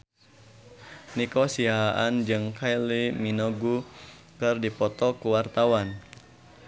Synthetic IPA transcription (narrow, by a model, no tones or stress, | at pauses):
nikɔsiaʔand͡ʒɨŋkʰajliminɔɡu | kɨrdipɔt̪ɔkuwart̪awan